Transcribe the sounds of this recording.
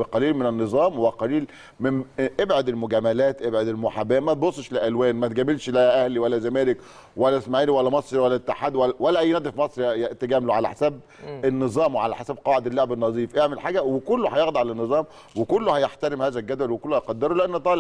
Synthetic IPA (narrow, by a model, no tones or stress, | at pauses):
qɑliːlmɪnænːɨzˤɑːmwæqɑliːl | memʔebʕod̪elmʊɡæmælæːt̪ʔebʕod̪elmʊħabæːmæt̪̚bosˤːʃleʔælwæːnmæt̪ɡæːbelʃlæʔæhliwælːæzæmæːlek | wælːæsmaʕiːlwælːæmɑsˤɾiwælːæʔt̪ːeħaːd̪wælwælːæʔæjːnæːd̪ifmɑsˤɾit̪æɡæːmloʕalæ̰ħesæb̚ | enːɨzˤɑːmweʕalæ̰ħesæb̚qɑːʕed̪elːoʕebenːɑzˤiːfʔeʕmelħaːɡæwekʊlːohæjeɣd̪ɑʕalænːɨzˤɑːm | wekʊlːohæjeħt̪æɾɪmhæːzælɡæd̪wælwekʊlːohjqɑd̪ːeɾˤoleʔænːt̪ˤɑːl